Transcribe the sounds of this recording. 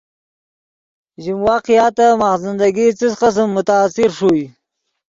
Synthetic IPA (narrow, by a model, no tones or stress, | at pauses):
ʒimwɑqijɑt̪amaxzɪnd̪aɡit͡səsqas̬əmːʊt̪aːsɪɾʂui